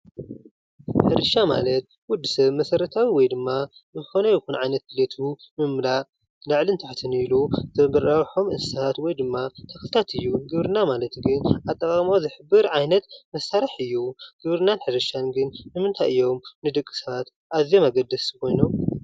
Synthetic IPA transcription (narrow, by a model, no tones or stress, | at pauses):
ħɨɾɨʃama̰lɐt̪̚ | wʊd̪ːɨsɐβmɐsɐɾɐt̪ʰawiwɔjd̪ɨmːazɨxonɐjɨxunʕajnɐt̪̚ɡɨlet̪ʰu | mɨmlaʔ | laʕlint̪ʰaħt̪ʰɨniluzɐbɐɾawħomʔɨnssat̪wɔjd̪ɨmːat̪ʰɐklɨt̪ʰat̪ʰɨjːuɡɨβɾɨnamalɐt̪ɡɨnʔat̪ʼːɐkʼamozɨħɨbːɨɾʕajnɐt̪mɐsːaɾɐħɨjːuɡ̥ɨβɾɨnanħɨɾɨʃanɡɨnːɨmɨnt̪ʰajɨjːo̞mnɨd̪ɨkʼːɨ̥sat̪ | ʔazjomaɡɐd̪ːɨskʰo̞jnom